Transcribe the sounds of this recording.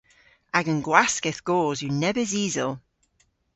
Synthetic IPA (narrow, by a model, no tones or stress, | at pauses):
aɡə̃nɡwaskɪθɡ̥ɔːzjənɛbəziːzəlˠ